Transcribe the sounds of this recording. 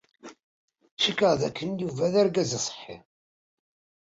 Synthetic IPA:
ʃikːəʁðækːənjuvæðæɾɡæzəsˤħːḭ

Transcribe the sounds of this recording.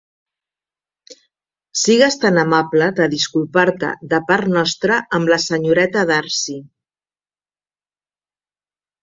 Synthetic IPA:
siɣəst̪anəmapləðəðiskulˠpaɾt̪ə̰d̪əpaɾt̪nɔst̪ɾəəmləsəɲuɾɛt̪əðaɾsi

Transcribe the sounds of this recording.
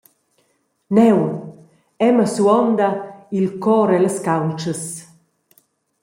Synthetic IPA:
nɛw | ɛməsuɔnd̪ailkɔɾɛləskawnt͡ʃəs

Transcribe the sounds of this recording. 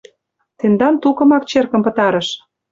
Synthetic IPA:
t̪end̪ɑnt̪ukɤ̆mɑk̚t͡ɕerkə̆mpə̆t̪ɑɾə̆ʃ

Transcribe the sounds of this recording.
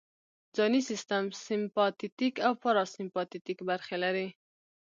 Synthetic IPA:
d͡zɑnisɪst̪amsɪmpɑt̪it̪ikawfaɾɑsɪmpɑt̪it̪ikbaɾxelaɾi

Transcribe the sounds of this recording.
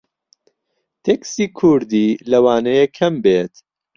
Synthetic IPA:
t̪ʰeksiːkʰʊɾd̪iːlɐwaːnɐjekʰɐmbeːt̪

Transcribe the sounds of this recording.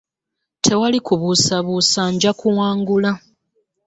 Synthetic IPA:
tʰe̞walikuβusaβusaɲɟakuwaːŋɡula

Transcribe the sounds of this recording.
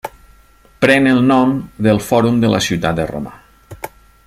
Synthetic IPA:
pɾɛnelˠnɔmd̪əlˠfɔɾumd̪əlʔa̰siwt̪at̪̚d̪əro̰ma̰

